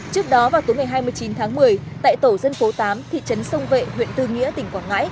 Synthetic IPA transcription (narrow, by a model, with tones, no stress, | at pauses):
t͡ɕɨ˦˥ək̚ɗɔ˨˦vaː˨˩wt̪u˨˦jŋa˨˩jɦaː˧jmɨ˧əjt͡ɕi˨˦nt̪ʰaː˨˦ŋmɨ˨˩əjt̪a̰ː˧˨jt̪o˧˩zə˧nfo˨˦t̪aː˨˦mt̪ʰḭ˧˨t͡ɕə˨˦nsə˧wŋ͡mvḛ˧˨hwḭ˧˨ənt̪ɨ˧ŋḭ˧˥ət̪ï˧˩ŋ̟kwaː˧˩ŋa̰ː˧˥j